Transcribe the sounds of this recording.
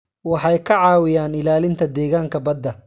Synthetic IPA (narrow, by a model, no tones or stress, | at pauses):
wɑħɑjkʰɐʕɑːwɪjaːnɪlaːlɪnt̪ʰɐd̪ɛːɣaːŋkʰɐbɐd̪ːɐ